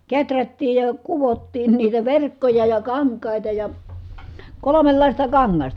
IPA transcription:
ketrætːiːj jɑ kuʋotːiːn niːtæ ʋerkːojɑ jɑ kɑŋkˑɑˑitɑ jɑ kolomelːɑˑistɑ kɑŋːɑstɑ

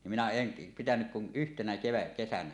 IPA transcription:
nim minæ en pitænyk kun yhtenæ keʋækːesænæ

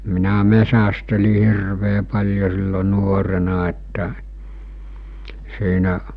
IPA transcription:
minæ mesæsteli hirʋeː pɑlʲjo silːo nuorenɑ etːæ siːnæʔ

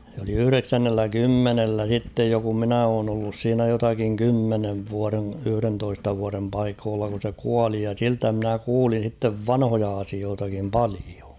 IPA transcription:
se oli yhy̆reksænːelːæ kymːenelːæ sitːej jo kum minæ oːn olːus siːnæ jotɑkiŋ kymːeneʋ ʋuɑrẽ yhy̆rentoistɑ ʋuɑrem pɑikoːlːɑ kun̞ se kuɑli jɑ siltæ mɪ̆næ kuːlin̞ sitːeʋ ʋɑnhojɑ ɑsioːtɑkim pɑlio

